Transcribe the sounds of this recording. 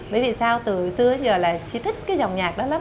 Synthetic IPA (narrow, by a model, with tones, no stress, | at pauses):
ɓə˨˦jvḭ˧˨saː˧wt̪ɨ˨˩sɨ˧əɓə˨˦jzəː˨˩laː˨˩t͡ɕi˧t̪ʰï˦˥k̟̚kaː˨˦jza˨˩wŋ͡mɲaː˨˩k̚ɗɔ˨˦la˨˦m